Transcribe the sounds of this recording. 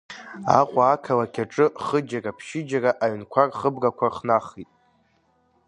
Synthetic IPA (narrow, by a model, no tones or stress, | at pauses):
a̰qʷʼaːkʰalakʲʰaʈ͡ʂʼɨχəd͡ʒarapʰʃɪd͡ʒaraʔaɥnkʷʰarχəbrakʷʰaχnaχitʼ